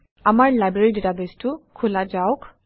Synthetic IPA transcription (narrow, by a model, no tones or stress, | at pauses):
amaɹlajbɹeɹiditabestʊkʰulazaʊk